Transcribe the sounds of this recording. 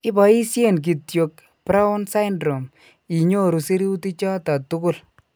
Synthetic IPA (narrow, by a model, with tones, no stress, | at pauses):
ɪ˦ba˨i˦sje˦˨nk̬i˨tjo˨k̚ | pɾa˦ɔ˦nsa˦jndɾo˨m | i˨ɲo˦ɾu˨se˦ɾi˦u˦ti˦t͡ʃɔ˦ta˨tʊ˦kʊ˦˨l